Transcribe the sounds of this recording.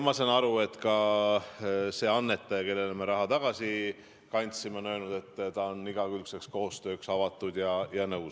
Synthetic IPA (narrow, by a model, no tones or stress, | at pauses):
mɑsɑnɑɾue̞t̪kɑ | se̞ːɑnːe̞t̪ːˑɑjɑke̞lːelme̞ɾɑɦɑt̪ɑɡ̥ɑsi | kɑnʲt̪simeonø̞ːlnud̪̥e̞t̪ːt̪ɑonːiɡ̥ɑkylkse̞ksko̞ːst̪ø̞ːksɑvɑt̪ːˑud̪jɑjɑnɤws